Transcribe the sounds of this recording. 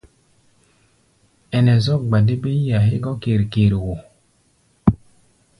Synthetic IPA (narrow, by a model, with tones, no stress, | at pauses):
ɛ˨nɛ˨zɔ˦˨k̚ɡ͡ba˨di˦be˦a˨ɦe˦ɡɔ˦ke˨ɾi˨keː˨ɾi˨wo˨